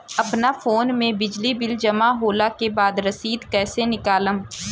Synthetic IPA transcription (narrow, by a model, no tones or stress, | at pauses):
ɐpnafoːnmẽbɪd͡ʒlibɪld͡ʒɐmaɦoːlakebaːd̪ɾɐsiːd̪kɛːsenɪkaːləm